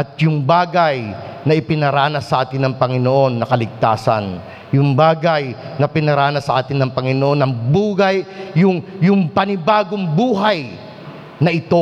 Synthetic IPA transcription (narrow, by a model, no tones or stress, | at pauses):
ʔɐt̪̚jʊŋbaːɡɐjnɐʔɪpɪnɐɾaːnɐsɐʔaːt̪ɪnːɐŋpɐŋɪno̞ʔo̞nːɐkɐlɪɡ̚t̪aːsɐ̰n | jʊŋbaːɡɐjnɐpɪnɐɾaːnɐsɐʔaːt̪ɪnːɐŋpɐŋɪnoʔo̞nɐŋbuːɡɐjːʊŋjʊŋpɐnɪbaːɡo̞ŋbuːɦaj | nɐʔɪt̪o̞